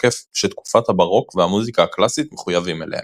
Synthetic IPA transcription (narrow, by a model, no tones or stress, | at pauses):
kefʃet̪ku̥fat̪habaʁo̞kvehamuzikaːklasit̪meχujavimelehḛ